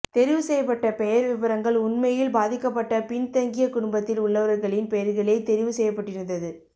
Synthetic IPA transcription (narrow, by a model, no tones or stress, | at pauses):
t̪ɛɾɪʋɯsɛjːɐpːɐʈːɐpɛjɐɾʋɪʋɐɾɐŋɡɐɭʊnmɐjɪlbaːðɪkːɐpːɐʈːɐpɪnt̪ɐŋɡɪjɐkʊɽʊmbɐt̪ːɪlʊɭːɐʋɐɾɐɾɣɐɭɪnpɛjɐɾɣɐɭɐɪt̪ɛɾɪʋɯsɛjːɐpːɐʈːɪɾɯnd̪ɐðɯ